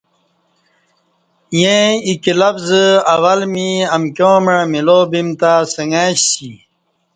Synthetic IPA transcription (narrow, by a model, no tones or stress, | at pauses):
jẽikilɐbzɐwɐlmiɐmkjõːmãmiloːbimt̪asəŋɡaːɕsi